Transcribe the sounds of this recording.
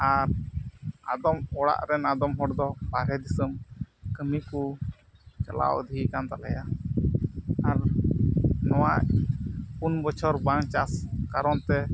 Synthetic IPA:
aɾ | a̰d̪ɔmɔɽa̰ʔɾɛnad̪ɔmɦɔɽd̪ɔbaɾɛd̪isəmkəmiku | kala̰ʔɔ̰d̪ʱikant̪alɛja | aɾ | nɔwaʔpunbɔt͡ʃʰɔɾbaŋt͡ʃaskaɾɔnt̪ɛ

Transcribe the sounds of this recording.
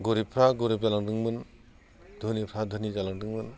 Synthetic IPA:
ɡoɾipʰɾaɡoɾipzalaŋdɯŋmɯn | d̪ʱunipʰɾad̪ʱɯnid͡ʒalaŋdɯŋmɯn

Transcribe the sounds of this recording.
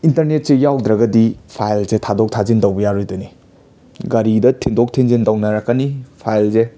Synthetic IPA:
intɐɾnet̚sejawd̪ɾɐɡɐdipʰajlzetʰadok̚tʰazindɐwbɐjaɾojduni | ɡɐɾidɐtʰindok̚tʰiŋzindɐwnɐɾɐkːɐnipʰajlze

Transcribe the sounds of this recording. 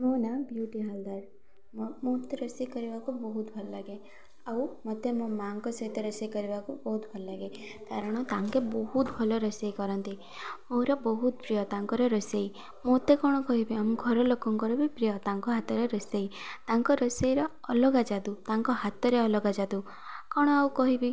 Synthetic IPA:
monabjuʈiɦald̪aɾ | mmot̪ːeɾɔsijkɔɾibakubɔɦut̪bʱɔlɔlaɡe | awmɔt̪emɔmaŋkɔsɔɦit̪eɾɔsejkɔɾibakubɔɦut̪bʱɔlɔlaɡe | kaɾɔɽ̃ɔt̪aŋkebɔɦut̪bʱɔlɔɾɔsejkɔɾɔnt̪i | moɾɔbɔɦut̪pɾijɔt̪aŋkɔɾɔɾɔsej | mot̪ekɔɽ̃ɔkɔɦibiamuɡʱɔɾɔlokɔŋkɔɾubipɾijɔt̪aŋkɔɦat̪ɔɾeɾɔsejt̪aŋkɔɾɔsejɾɔ | ɔlɔɡad͡ʒad̪ut̪aŋkɔɦat̪ɔɾeɔlɔɡad͡ʒad̪u | kɔɽ̃ɔawkɔɦibi

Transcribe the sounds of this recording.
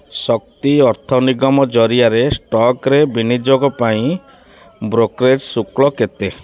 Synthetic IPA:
sɔkt̪iɔɾt̪ʰɔniɡɔmɔd͡ʒɔɾiaɾesʈɔkɾebinid͡ʒoɡɔpaĩ | bɾokɾed͡ʒsukɭɔket̪e

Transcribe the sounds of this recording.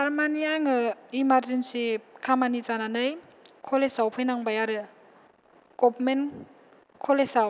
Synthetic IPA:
saɾmanijaŋɯimaɾzensikʰamanizananɯj | kʰɔlesawpʰɯjnaŋbajaɾɯ | ɡ̥ɔbmen | kʰɔlesaw

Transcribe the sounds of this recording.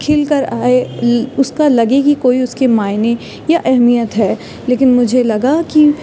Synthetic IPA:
kʰɪlkɐɾaːeʊskalɐɡeɡikoːiʊskemaːɪne | jaʔɛɦmijət̪ɦɛː | leːkɪnmʊd͡ʒʱelɐɡaki

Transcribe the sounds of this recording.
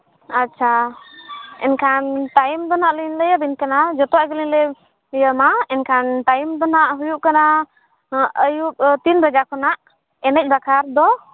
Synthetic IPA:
atːt͡ʃʰa | ɛ̰nkʰanʈajmd̪ɔnaʔliɲləjəbinkanad͡ʒɔt̪ɔwaɡəlinlɛ | jəmaɛnkʰanʈajmd̪ɔnaʔɦujuʔ̚kana | əjuʔ̚t̪inbad͡ʒakɔnaʔ | ɛnɛc̚ˀbakʰaɾd̪ɔ

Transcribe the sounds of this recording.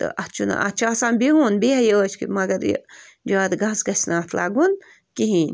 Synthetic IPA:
t̪ɨ̰ʔɐt͡ʃʰuna̰ʔɐt͡ʃʰaːsaːnbiɦuːnbiɦɐjəəːt͡ʃʰkḭmɐɡɐɾj̰ | d͡ʒaːd̪ɡɐːsɡɐsʲnaːt̪ʰla̰ːɡun | kiɦiːnʲ

